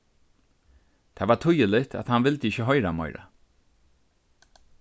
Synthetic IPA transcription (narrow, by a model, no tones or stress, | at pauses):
t̪ʰɛːvat̪ʰʊjəlɪt̪ʰa̰ðhanʋɪlt̪əɪçəɦɔʏɾamɔjɾa̰